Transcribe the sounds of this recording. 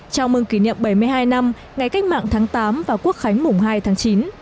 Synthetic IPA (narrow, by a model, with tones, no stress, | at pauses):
t͡ɕɔ˧wŋ͡mmɨ˧ŋki˧˩nḭ˧˨əmɓə˧˩jmɨ˧əjɦaː˧jna˧m | ŋa˨˩jka˦˥k̟̚ma̰ː˧˨ŋt̪ʰaː˨˦ŋt̪aː˨˦mvaː˨˩wku˦˥ək̚xa˨˦jŋ̟mʊ˨˩ŋ͡mɦaː˧jt̪ʰaː˨˦ŋt͡ɕi˨˦n